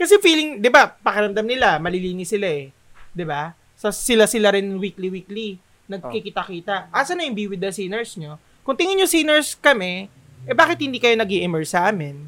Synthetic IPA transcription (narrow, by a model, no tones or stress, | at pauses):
kɐsɛfiːlɪŋd̪ɪbapɐkɛɾɐmd̪ɐmnɪlamɐlɪliːnɪsɪlaɛ | d̪ɪba | sɐsɪlasɪlaɾɪnwiːkliwiːkli | nɐɡ̚kɪkɪt̪ɐkiːt̪ɐʔʔaːsɐnɐjʊŋbiːwɪd̪ɐsinɛɹsɲo | kʊŋt̪ɪŋɪɲosinɛɹskɐmɛ | ʔɛbaːkɪt̪̚hɪnd̪iːkɐjonɐɡiʔɪmɛɹsːɐʔaːmɪn